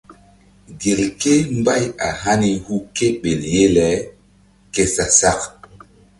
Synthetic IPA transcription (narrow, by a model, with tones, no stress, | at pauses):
ɡe˨lke˦mba˦˨ja˨ɦa˦ni˨hu˦ke˦ɓe˨lje˦lɛ˨˦ | ke˦sa˨sa˦k